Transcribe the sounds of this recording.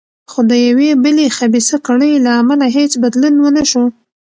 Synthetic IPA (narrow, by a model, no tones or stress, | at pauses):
xod̪əjawebəlexabisakaɽəjlaːmalaɦet͡sbad̪lunwənaʃo